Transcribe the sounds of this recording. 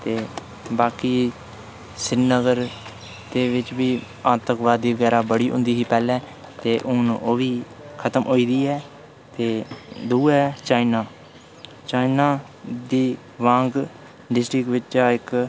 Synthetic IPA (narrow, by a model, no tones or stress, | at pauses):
t̪eː | baːkiː | sɪnəɡəɾ | d̪eːʋɪt͡ʃbiː | aːt̪əkʋaːd̪ːiːʋəɡɛːɾaːbəɽiːɦʊ̰̃nd̪iːɦiːpɛːlɛ̃ː | t̪eːʔʊnːʔoːʋiː | kʰət̪əmʔoːiːd̪iːɛː | t̪eːd̪uːɛːt͡ʃaːinaː | t͡ʃaːinaː | d̪iː | ʋãːŋɡ | ɖɪsʈɾɪkʋɪt͡ʃaːɪk